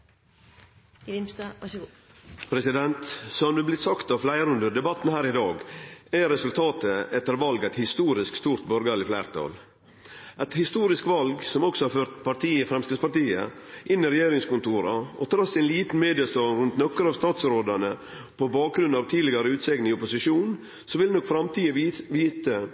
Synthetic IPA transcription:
ɪmsd̪ɑɑ | pʰɾɛsɪd̪ɛnt̪sɔmd̪ʉblɪt̪sɑkt̪ɑʋflæɪɾʉnd̪əd̪ɛbɑt̪n̩hæːɾɪd̪ɑːɡæɾɛsʉlt̪ʰɑːt̪əɛt̪ːəɾʋɑlɡæɪt̪hɪst̪uːɾɪskst̪uːɾt̪bɔɾɡlɪflæːɾt̪ʰɑ̰ːl | ʔɛt̪hɪst̪uːɾɪskʋɑlɡsɔmɔksɔhɑɾføːɾt̪pɑɾt̪iːəfɾɛmskʋɪspɑɾʈ̪iːə̰ʔɪnːɪɾɛjeːɾɪŋskʊnt̪uːɾɑ̰ɔt̪ʰɾɑsːæɪnliːt̪n̩meːd̪ɪɑst̪ɑːnɾʉnt̪nɔkːəɾɑːʋst̪ɑːt̪sɾoːd̪əɳə | pʰɔbɑːk̚ɡɾʉnːɑʋt̪ʰiːd̪lɪɡɑɾəʉːt̪sɛːɡnɪŋɪɔpʊsɪʂuːn | sɔʋɪlnɔkfɾɑmt̪ʰiːəʋiːt̪ə

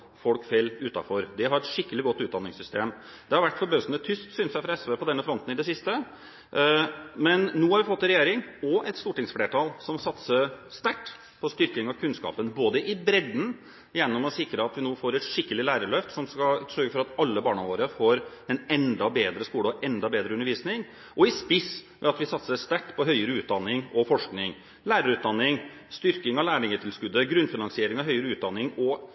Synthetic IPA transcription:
fɔlkfɛlːʉːt̪ɑ̰fɔɾd̪ɛɦɑɾɛt̪ʂɪkːəlɪɡɔt̪ːʉːt̪d̪ɑnːɪŋsʏst̪eːm | d̪̥ɛhɑɾʋæʈːfɔɾbøːsənət̪ʰʏst̪sʏːnsæɪfɾɑɛsʋəpɔd̪ɛnːəfɾɔnt̪n̩ɪd̪ɛsɪst̪ə | mɛnːuːhɑɾʋɪfɔt̪ːɛnɾɛjeːɾɪŋɔʔɛt̪st̪uːʈɪŋsfleːʈʰɑlsɔmsɑt̪səst̪æʈː | pʰɔst̪ʏɾkɪŋɑʋkʰʉnskɑ̰ːpənboːd̪əʔɪbɾɛd̪n̩ | jɛnːɔmɔsɪkɾəɑt̪ʋɪnoːfoːɾɛt̪ʂɪkːəlɪlæːɾəɭœft̪sɔmskɑsœɾɡəfɔɾɑt̪ɑlːəbɑːɳɑʋoːɾəfoːɾɛnɛnd̪ɑbeːd̪ɾəskuːlɔɛnd̪ɑbeːd̪ɾəʉnːəɾʋiːsnɪŋ | ʔɔɪspɪs | ʋɛ̰ɑt̪ʋɪsɑt̪səst̪æʈːpʰɔɦœʏəɾəʉːt̪̚d̪ɑnːɪŋɔfɔʂknɪŋ | læːɾəɾʉːt̪̚d̪ɑnːɪŋ | st̪ʏɾkɪŋɑʋlæːɳɪŋət̪ʰɪlskʉd̪ːəɡɾʉnfɪnɑnsɪeːɾɪŋɑɦœʏəɾəʉːt̪̚d̪ɑnːɪŋɔ

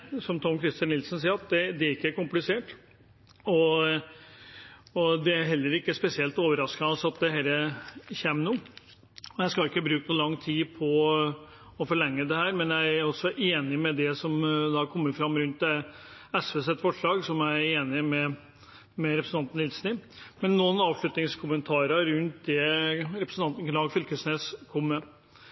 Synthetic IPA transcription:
sɔmt̪ʰɔmːkʰɾɪst̪jɑnːɪlsən̩s̬iːɾɑt̪̚d̪ɛd̪ɛɪkːəæɾkʊmplɪseːʈ | ɔ | ɔd̪ɛæɾɦɛlːəɾɪkːəspɛsɪɛlt̪oːʋəɾɑskɑnɔsɑt̪̚d̪ɛhæːɾəçɛmnuː | ɔjæɪskɑɪkːəbɾʉːknuːlɑŋːt̪ʰiːpʰɔ | ɔfɔɭɛŋːəd̪ɛhæːɾmɛnjæɪæɾɔsɔʔeːnɪmɛd̪ɛsɔmd̪ɑkʰɔmːəɾfɾɑmːɾʉnt̪ː | ɛsʋesɛt̪ːfɔʂɭɑːɡsɔmjæɪɾeːnɪmɛ | mɛɾɛpɾsnt̪ɑnt̪n̩lɪlsnɪmɛnːuːnɑːʋʂɭʉt̪nɪŋskʰʊmənt̪ʰɑːɾəɾʉnt̪̚d̪ɛɾɛpɾəsən̩t̪ɑnt̪n̩klɑːɡfʏlkəsneːskʰɔmːə

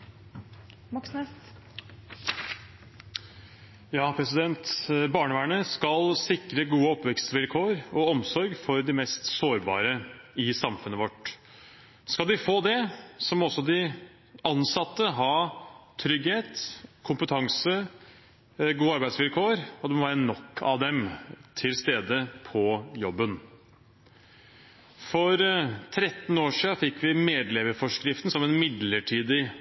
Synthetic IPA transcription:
mksnɛ | jɑːpʰɾɛsɪd̪ɛnt̪bɑːɳəʋæːɳəskɑlsɪkɾəɡuːəɔpʋɛkst̪ʋɪlkʰoːɾɔɔmsɔɾɡfɔɾd̪ɪmɛst̪soːɾbɑ̰ːɾəɪsɑmfʉnəʋɔʈ | skɑld̪ɪfoːd̪ɛsɔmɔsːɔd̪ɪ | ɑnsɑt̪ːəɦɑːt̪ʰɾʏɡheːt̪kʰʊmpət̪ʰɑŋsə | ɡuːəɑɾbæɪd̪sʋɪlkʰoːɾɔd̪ɛmɔʋæːɾənɔkʰːɑ̰ʋd̪ɛmt̪ʰɪlst̪eːd̪əpʰɔjɔbːən | fɔɾt̪ʰɾɛt̪ːn̩oːʂiːɑfɪkːʋɪmeːd̪lɛməɾfɔʂkɾɪft̪n̩sɔmɛnmɪd̪ləʈʰiːd̪ɪ

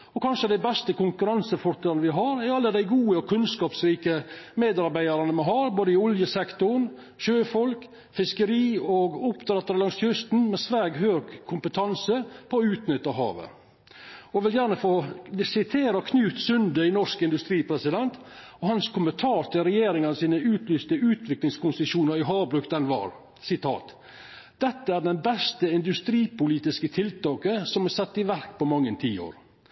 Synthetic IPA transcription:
ɔkʰɑnʂəd̪æɪbɛst̪əkʊŋkʉɾɑnsəfɔɾt̪ʰɛlɑnəʋɪɦɑɾɛɾɑlːəd̪æɪɡuːəkʰʉnskɑːpsɾiːkəmeːd̪ɑɾbæɪɑɾɑnəmɛhɑːɾboːd̪əɪɔljəsɛkt̪ʊɳ | ʃøːfɔlk | fɪskəɾiːɔɡʊpt̪ɾɛt̪ːəɾəlɑŋsjʏst̪n̩mɛsʋæːɡɦøːɡkʰːʊmpət̪ʰɑnsəpʰɔʉːt̪nʏt̪ːɑɦɑ̰ːʋə̰ | ɔʋɪljæːɳəfoːsɪt̪ʰeːɾəkʰnʉːt̪sʏnd̪əɪnɔʂkɪnd̪ʉst̪ɾiːpʰɾɛsɪd̪ɛnt̪ | ɔhɑnskʰʊmənt̪ʰɑːt̪ʰɪlɾɛjeːɾɪŋɑnəsiːnəʉːt̪ʰlyːst̪əʉːt̪ʰʋɪklɪŋskʊnsəʃuːnəɾɪɦɑːbɾʉkd̪ɛnʋɑ̰ːɾ | sɪt̪ʰɑ̰ːt̪ | d̪̥ɛt̪ːəæɖɛnbɛst̪əɪnd̪ʉst̪ɾiːpʊliːt̪ɪskət̪ʰɪlt̪ɑːkəsɔmɛsɑt̪ːɪʋæɾkpɔmɑŋːənt̪ʰiːo̰ːɾ

